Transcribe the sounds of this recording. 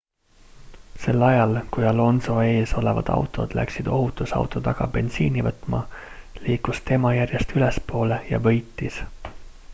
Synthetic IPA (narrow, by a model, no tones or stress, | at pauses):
se̞lːɑjɑlkujɑlo̞nso̞e̞ːso̞le̞vɑ̰d̪̥ɑ̰wt̪ˑo̞̰d̪̥læ̰ksid̪̥o̞ɦut̪ːˑusɑ̰wt̪ːˑot̪ɑɡ̥ɑ̰be̞nsiːnivɤt̪ˑmɑ̰liːkust̪e̞mɑjærjest̪ylespo̞ːlejɑ̰vɤ̞jt̪ːˑis